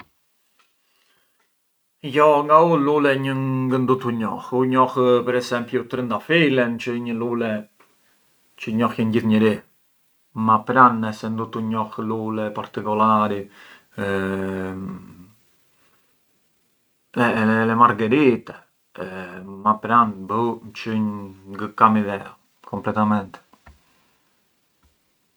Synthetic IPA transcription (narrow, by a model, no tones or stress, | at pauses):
jɔŋɡaululɛɲəŋɡənd̪ut̪uɲɔ̰xuɲɔxpɛɾɛsɛmpjut̪ɾind̪afilɛnt͡ʃəɲəlulɛ | t͡ʃəɲɔxjənɟiθɲəɾi | mapɾanɛsɛnd̪ut̪uɲɔxlulɛpaɾt̪ikulaɾi | ɛlɛmaɾɡɛɾit̪ɛ | mapɾanbət͡ʃəɲɡəkamiðɛa̰ | kʰɔmplɛt̪amɛnt̪ɛ̥